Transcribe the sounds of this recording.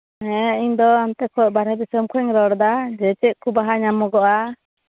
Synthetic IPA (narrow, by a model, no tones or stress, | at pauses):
ɛiɲd̪ɔamt̪ɛkʰɔʔ̚baɾɛb̪ɛsəmkʰɔɛɲɾɔɽd̪ad͡ʒɛt͡ʃɛʔ̚kubaɦaɲamɔɡɔʔa